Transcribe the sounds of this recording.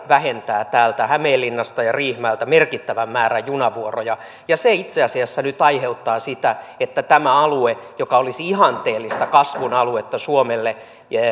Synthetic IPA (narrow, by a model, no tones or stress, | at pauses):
ʋæhent̪æːt̪æːlt̪æhæmeːlːinːɑst̪ɑjɑriːhmæːlt̪æmerkit̪ːæʋæmmæːɾæjjunɑʋuorojɑ | jɑseit̪seɑsiɑsːænyt̪ɑiheut̪ːɑːsit̪æet̪ːæt̪æmæɑluejokɑolisiihɑnt̪eːlːist̪ɑkɑsʋunɑluet̪ːɑsuomelːe